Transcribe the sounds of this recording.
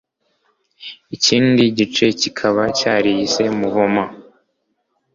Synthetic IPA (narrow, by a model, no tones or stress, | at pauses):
iciːndiɟit͡ʃe̞cikʰaβacaːɾiise̞muβoma